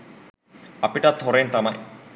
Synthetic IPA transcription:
ɐpiʈɐt̪ʰːoɾent̪ɐmɐj

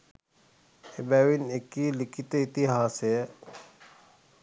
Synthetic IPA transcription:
ebɛwinekːilikit̪it̪iɦaːse

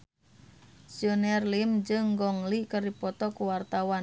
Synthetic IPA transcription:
siɔnɛrlimd͡ʒɨŋɡɔŋlikɨrdipɔt̪ɔkuwart̪awa

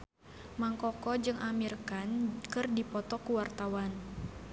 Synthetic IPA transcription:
maŋkɔkɔd͡ʒɨŋʔamirkankɨrdipɔt̪ɔkuwart̪awan

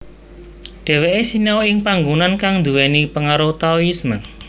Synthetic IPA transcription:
ɖ̥ɛ̤weʔesinawɪŋpaŋɡunankaŋnd̪uwɛnipəŋaɾot̪aoismə

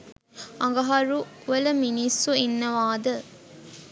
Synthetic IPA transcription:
ɐŋɡɐɦɐɾuʋɐlɐminisːuinːɐʋaːd̪ɐ

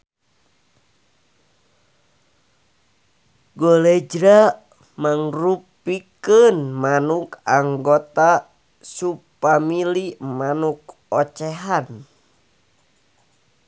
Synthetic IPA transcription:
ɡɔlɛd͡ʒɾa | maŋrupikənmanukaŋɡɔt̪a | supamilimanuk̚ | ɔt͡ʃɛɦan

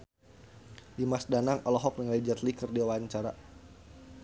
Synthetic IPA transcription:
dimasdanaŋɔlɔɦɔk̚nəŋled͡ʒat̪likərdiawaɲt͡ʃaɾa

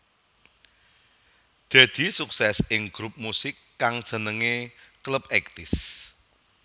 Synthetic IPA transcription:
d̪̥ä̤d̪̥i̤suksɛsɪŋɡ̥ɾup̚musɪkːaŋd̥ʒ̥ə̤nəŋekləpɛk̚t̪ɪs

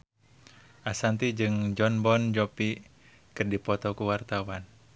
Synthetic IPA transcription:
ʔasant̪id͡ʒɨŋd͡ʒɔnbɔnd͡ʒɔpi | kɨrdipɔt̪ɔkuwart̪awan

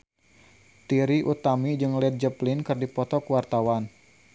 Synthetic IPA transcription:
t̪iɾiʔut̪amid͡ʒɨŋlɛt̪̚d͡ʒəplɪnkɨrdipɔt̪ɔkuwart̪awan

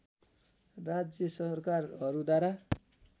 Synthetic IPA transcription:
rad͡zjʌsʌrkarɦʌɾud̪waɾa

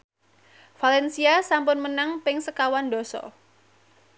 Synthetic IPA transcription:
falɛnsiasampʊnmənaŋpɪŋsəkawandɔsɔ̰

